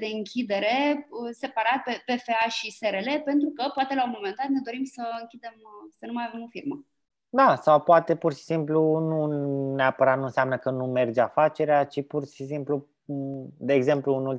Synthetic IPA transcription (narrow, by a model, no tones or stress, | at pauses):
d̪e̞ɨŋkʲid̪e̞ɾe̞əse̞paɾat̪̚pe̞pe̞fe̞aʃiseɾele̞pe̞nt̪ɾukəpoat̪e̞laomo̞mend̪at̪̚ne̞d̪o̞ɾimsəɨŋkʲid̪e̞msənumajavemo̞firmə | d̪asawpoat̪e̞purʃi̥simplununeapəɾat̪nuɨnsʲamnəkənume̞rd͡ʒafat͡ʃe̞ɾeat͡ʃipurʃisimplu | d̪e̞ːɡze̞mpluɨnul